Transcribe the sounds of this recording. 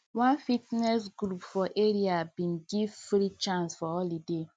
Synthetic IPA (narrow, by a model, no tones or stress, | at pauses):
wãnfitnɛs̬ɡɾupfɔʔeɾiabĩnɡivfɾit͡ʃãnsfɔɔlide